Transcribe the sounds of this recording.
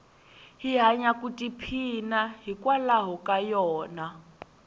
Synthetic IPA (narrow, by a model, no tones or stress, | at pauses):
ɦiɦaɲakʼutʼipʰinaɦikʼwalaɦɔkʼajɔːna